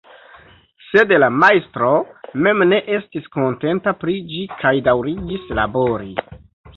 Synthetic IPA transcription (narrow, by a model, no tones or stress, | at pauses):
se̞dlamajstɾo̞me̞mne̞ʔe̞stisko̞nte̞ntapɾid͡ʒikʰajdawɾiɡislabo̞ɾi